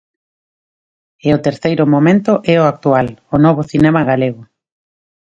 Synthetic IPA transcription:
ɪʊt̪eɾθejɾʊmomẽnt̪ʊʔɛoak̚t̪ualʊnɔβ̞ʊθinɛmaɣaleɣ̞ʊ

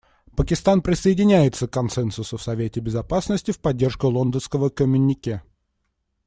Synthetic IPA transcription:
pəkʲɪst̪anpɾʲɪsəɪdʲɪnʲæjɪt̪səkːɐnsɛnsʊsʊfsɐvʲetʲɪbʲɪzɐpasnəsʲtʲɪfpɐdʲːe̞rʂkʊlˠond̪ənskəvəkəmʲɪnʲːɪkʲe

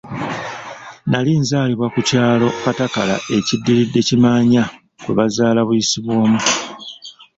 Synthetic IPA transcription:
naliːnzaːliβwakucaːlo̞katakala̰ʔe̞cidːiɾidːe̞cimaːɲa | kweβazaːlaβujisiβwo̞ːmu

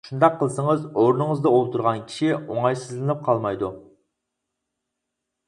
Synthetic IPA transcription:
ʃund̪ɑqʰːəlˠsəŋəzoɾnɨŋəzd̪ɑolˠt̪ʰuɾʁɑnkʲʰi̥ʃioŋɑjsɨzlɨnɨp̚qʰɑlˠmɑjd̪u

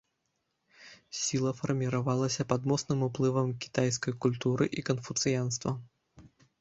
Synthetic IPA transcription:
sʲilˠɐfɐrmʲiɾavalˠɐsʲɐpɐd̪mɔsnɨmuplˠɨvɐmkʲi̥t̪ajs̬kɐjkulʲt̪uɾɨʔikɐnfut̪sɨjanst̪vɐ

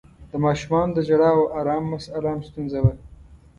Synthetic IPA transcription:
d̪̥əmɑːʃumɑnod̪əd͡ʒaɽɑwoʔaɾɑːmːasalamst̪unzawa

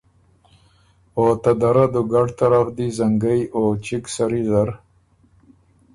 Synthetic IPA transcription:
ot̪ad̪aɾad̪uɡɐʈt̪ɐɾafd̪izɐŋɡɐjʔot͡ɕiksɐɾizɐɾ

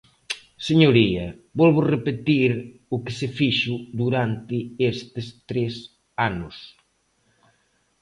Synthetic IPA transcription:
seɲoɾiɐ | bɔlβʊrepet̪iɾʊkɪsefiʃud̪uɾant̪ɪest̪est̪ɾes | anʊs

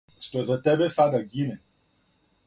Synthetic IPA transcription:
stozatɛbesadaɡine

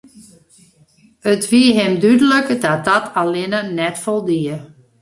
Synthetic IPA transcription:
ətʋiəɦɪmdydələkədɔt̚dɔtʰalɪnənɛtfɔlˠdiə

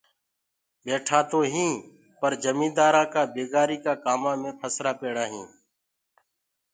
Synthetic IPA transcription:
beːʈʰaːt̪oːɦĩː | pəɾd͡ʒəmĩːd̪aːɾãːkaːbeːɡaːɾiːkaːkaːmãːmẽːpʰəsɾaːpeːɽaːɦĩː

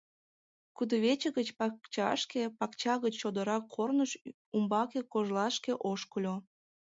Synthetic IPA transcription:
kud̪oβet͡ɕə̆ɣət͡ɕpɑkt͡ɕɑ̰ʃkepɑkt͡ɕɑɣət͡ɕːod̪əɾɑkʰːornəʃ | umbɑkekoʒlɑʃkeʔoʃkəlʲo

